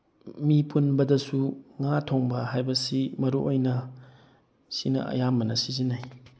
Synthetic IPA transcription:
mipunbɐdɐsuŋatʰoŋbɐɦajbɐsimɐɾṵʔojnɐ | sinɐ̰ɐ̰jamɐnɐsizinaj

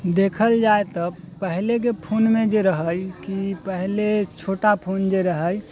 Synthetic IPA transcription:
d̪ekʰəld͡ʒaet̪ɔ | pəɦlek̬epʰonmẽd͡ʒeɾəɦəjkipəɦlet͡ʃʰoːʈapʰond͡ʒeɾəɦəj

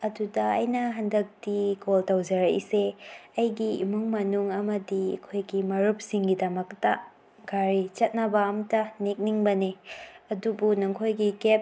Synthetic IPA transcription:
ɐdudɐɐjnɐɦɐndɐk̚tikoltɐwd͡ʒɐɾɐḭseɐjɡiimuŋmɐnuŋɐmɐdiɐ̰kʰojɡimɐɾup̚siŋɡidɐmɐk̚tɐ | ɡaɾit͡ʃɐt̚nɐbɐɐmtɐnek̚niŋbɐneɐdubunuŋkʰojɡikep̚

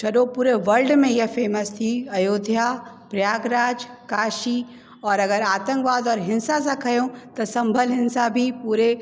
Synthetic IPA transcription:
ʃɐɗopuːɾeʋɐlɖmẽjɐɦfeːməst̪ʰiɐjoːd̪ʱja | pɾjaːɡɾaːd͡ʒkaːʃi | ɔːɾɐɡəɾaːt̪ə̃ŋkʋaːd̪ɔːɾɦɪ̃nsas̬akʰɐjõt̪ɐsɐ̃mbʱəlɦɪ̃nsabʱipuːɾe

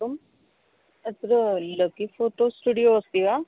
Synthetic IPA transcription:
um | ət̪ɾləkifoːʈosʈuɖijoəst̪ia

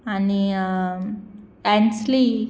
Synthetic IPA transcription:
ani | ɛnsli

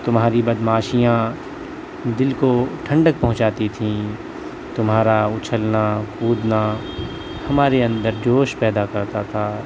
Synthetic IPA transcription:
t̪ʊmɦaːɾibɐd̪maːʃijã | d̪ɪlkoʈʰɐ̃ɳɖək̚pɐɦʊ̃t͡ʃaːt̪it̪ʰĩː | t̪ʊmɦaːɾaʊt͡ʃʰəlnakuːd̪na | hɐmaːɾeɐ̃nd̪əɾd͡ʒoːʃpɛːd̪akɐɾt̪at̪ʰaː

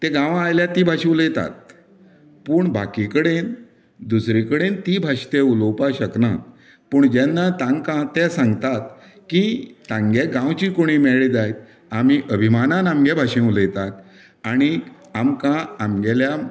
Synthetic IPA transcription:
t̪eɡãʋãajljat̪ibʱaɕẽuləjt̪a̰t̪̚ | pəːɳbakikəɽen | d̪usɾikəɽent̪ibʱaʂt̪eulowpaɕəkna | pəɳd͡ʑɛnːat̪ãŋɡkãt̪ɛsãŋɡt̪at̪ | kit̪ãŋɡeɡãwt͡ɕikoɽ̃imɛɭid͡zajt̪ | amiʔəbʱimanãnamɡɛbʱaɕẽuləjt̪at̪ | aɽ̃i | amkãamɡɛlja

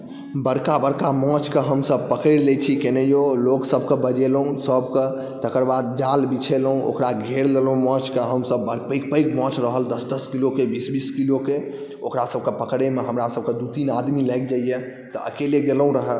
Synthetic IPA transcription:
bəɽkabəɽkamɔ̃t͡ʃkeɦəmsəb̚pəkəɪɽlet͡ʃʰikenejoloksəbkebəd͡ʒelɦũsəbke | t̪əkəɾbad̪̚d͡ʒalbit͡ʃʰelɦũo̰kɾaɡʱeɾlelũmɔ̃t͡ʃkeɦəmsəbːəɾpəɪk̚pəjkmɔ̃t͡ʃɾəɦəld̪əsd̪əskilokebisbiskiloke | okɾasəb̚kepəkɽemeɦəmɾasəb̚ked̪ut̪inad̪milajk̚d͡ʒaije | t̪ɔəkeleɡelũɾəɦəl

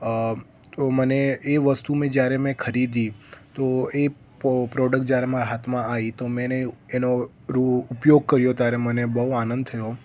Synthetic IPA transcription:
t̪oməneeʋəst̪umẽd͡ʒjaɾemɛ̃kʰəɾid̪it̪oe | pɾɔɖək̚ʈ̚d͡ʒjaɾemaɾaɦat̪mãait̪omɛ̃neeno | ɾuupjoɡ̚kəɾjot̪jaɾemənebəɦuanə̃nd̪t̪ʰəjo

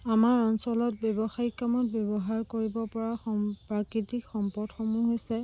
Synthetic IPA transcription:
amaɹɔnsɔlɔt̚bjɔbɔxaikamɔt̚bjɔbɔɦaɹkoɹibɔpɔɹaxɔpɹakitikxɔmpɔdxomuɦojsɛ

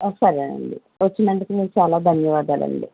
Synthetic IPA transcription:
ɔsɐɾɐnɐ̰ɳɖi | ʋɐt͡ʃːinɐɳʈikimiːɾut͡ʃaːlaːb̪ʱɐnːiʋaːd̪aːlɐ̰ɳɖi

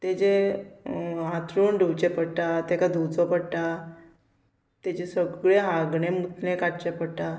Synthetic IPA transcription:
t̪ed͡ʑe | ãt̪ɾuːɳɖʱuwt͡ɕepəɽʈ̪at̪ɛkad̪ut͡sɔpəɽʈ̪a | t̪et͡ɕesəɡɭeɦaɡɳemut̪nẽkaʈt͡ɕepəɽʈa

